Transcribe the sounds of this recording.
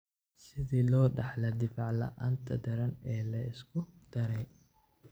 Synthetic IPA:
sɪðiːlɔːɖɑħlɐd̪ɪfɑʕlɐ̰ʔa̰ːnt̪ʰɐd̪ɐɾɐnɛːlɐɪskʰʊd̪̥ɐɾɛj

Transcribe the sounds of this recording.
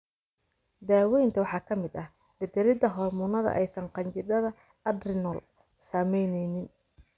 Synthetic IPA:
d̪aːwɛjnt̪ʰɐwɑħɑːkʰɐmɪd̪ɐh | bɛd̪ɛɾɪd̪ɐɦɔrmʊnɐðɐ̰ʔɛjsɐɴqɑɲt͡ʃɪd̪ɐðɐ | ɐd̪rɪnɔl | saːmɛjnɛjnɪn

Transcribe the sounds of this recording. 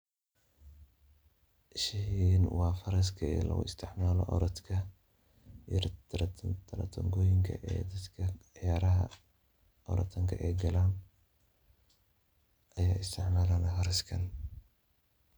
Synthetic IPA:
ɪʃɪɦiːnwɑːfɐɾɐskʰɐɛ̰ːlɐ̰ɣʊ̰ɪ̰st̪ʰɪʕmaːlɔ̰ʔɔ̰ɾɐt̪kʰɐ | t̪ʰɐɾɐ̰t̪ʰɐŋɡɔːjɪŋkʰɐ̰ʔɛ̰ːd̪ɐd̪kʰɐʕjaːɾɐɦɐ̰ | ʔɔɾɐ̰t̪ʰːɐŋkʰɐʔɛjɡɐlaːn | ɐjaːɪst̪ʰɪʕmaːlɐnɐfɐɾɐskʰɐn

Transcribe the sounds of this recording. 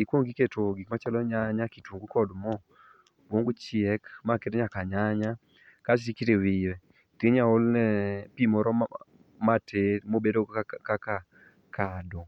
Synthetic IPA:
ikwoŋɡiketoɡikmat͡ʃɛlɔɲaɲakitwuŋɡukɔdmɔ | bwoŋɡut͡ʃɪɛkmaketeɲakaɲaɲa | kat͡ʃtikiɾewɪjwɛ | teɲaolnɛpimɔɾɔ | matemobedokaka | kʰadɔ

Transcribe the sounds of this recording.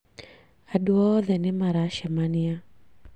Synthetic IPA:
aduɔðɛnɪmaɾaʃamania

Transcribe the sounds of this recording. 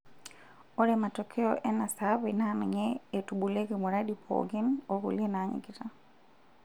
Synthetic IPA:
ɔɾɛmatɔkʰɛɔʔɛnasabinanɔɲɛetuɓulekimuɾaɗipʰɔ̰ɡɪnoɡṵlienaɲḭɡita

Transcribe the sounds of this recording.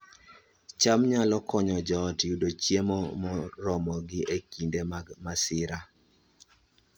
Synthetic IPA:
t͡ʃamɲalɔkɔɲɔd͡ʒɔtudot͡ʃjemomɔɾɔmɔɡɪʔekindemmasɪɾa

